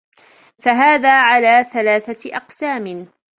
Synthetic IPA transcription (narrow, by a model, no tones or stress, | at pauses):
faɦaːðaːʕalaːθalaːθaʔɑqsaːmɪ